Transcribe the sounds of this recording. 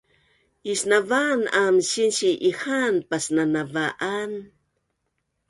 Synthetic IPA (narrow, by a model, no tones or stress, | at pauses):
isnavanamʃinʃiʔihanpasnanavaʔan